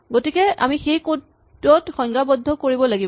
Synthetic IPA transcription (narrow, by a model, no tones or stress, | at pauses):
ɡotikɛa̰mixejko | tɹɔtxɔŋɡabɔdʱːɔkoɹibɔlaɡib